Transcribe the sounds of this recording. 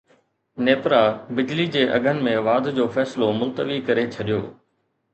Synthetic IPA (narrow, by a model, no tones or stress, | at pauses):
neːpɾabɪd͡ʑlid͡ʑeːʔɐ̰ɡʱənɪ̆mẽʋaːd̪ʱd͡ʑoːfɛːsɪlomʊlt̪əʋikɐɾet͡ɕʰɐɗijo̰ː